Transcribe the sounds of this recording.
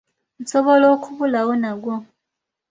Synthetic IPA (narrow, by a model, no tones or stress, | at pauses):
nsoβoloːkʰuβulawonaɡwo